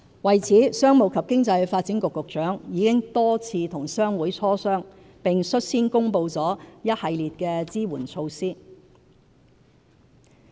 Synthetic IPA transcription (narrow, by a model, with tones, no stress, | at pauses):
wɐ˨jt͡sʰiː˨˥sœː˥ŋmo˨˩wkʰɐ˨p̚kɪ˥ŋt͡sɐ˧jfaː˧t̚t͡siː˨˥nkʊ˨kːʊ˨k̚t͡ʃœː˨˥ŋjiː˨˧kɪ˥ŋt̪ɔː˥t͡sʰiː˧t̪ʰʊ˨˩ŋsœː˥ŋwuː˨˥jt͡sʰɔː˥sœː˥ŋ | pɪ˨ŋsɵ˥t̚siː˥nkʊ˥ŋpo˧wt͡sɔː˨˥jɐ˥t̚hɐ˧jliː˨t̚kɛː˧t͡siː˥wuː˨˩nt͡sʰo˧wsiː˥